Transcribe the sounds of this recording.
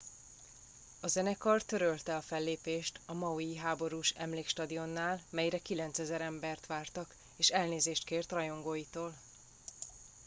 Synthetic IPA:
ɒzɛnɛkɒrtt̪ːø̞ɾølt̪ɛɒfɛlːeːpeːʃt̪ɒmɒujiɦaːbo̞ɾuːʃɛ̰mleːkʃt̪ɒd̪io̞nːaːlmɛjɾɛkilɛnt̪sɛzɛɾɛmbɛrt̪ʋaːrt̪ɒk | eːʃɛlneːzeːʃt̪keːrt̪rɒjo̞ŋɡoːjit̪oːl

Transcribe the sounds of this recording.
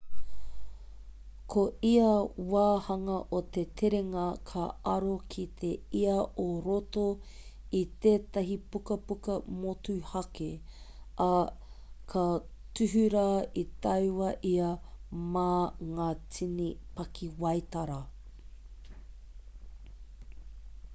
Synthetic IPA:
kʰoiɐwaːhɐŋɐʔot̪e̞t̪ʰeɾeŋɐkʰɐɐɾokʰit̪ʰe̞iɐʔoɾot̪o | it̪eːt̪ɐɦipukɐpukɐmotuhɐke | ʔɐ | kʰɐ | tʉɦʉɾait̪ɐwwɐʔiɐmaːŋaːt͡sʰinipɐkʰiwɐjt̪ɐɾɐ

